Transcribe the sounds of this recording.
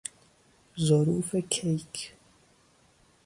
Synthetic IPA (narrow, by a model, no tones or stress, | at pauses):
zɔɾuːfekʰejk